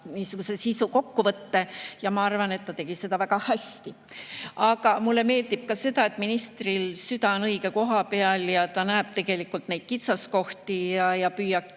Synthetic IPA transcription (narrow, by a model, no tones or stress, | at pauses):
niːsuɡ̥use̞sisuko̞kːuvɤt̪ːe̞jɑmɑɑrvɑne̞t̪ːɑt̪e̞ɡ̥ise̞d̪ɑvæɡ̥ɑhæst̪i | ɑɡ̥ɑmulːe̞me̞ːld̪ib̥̚kɑse̞d̪ɑe̞t̪ˑminist̪rilsyd̪ɑonɤjɡe̞ko̞ɦɑpeɑljɑt̪ɑnæeb̥̚t̪e̞ɡe̞likːˑult̪nejd̪̥̚kit̪sɑsko̞ht̪ijɑjɑpyːjɑ̥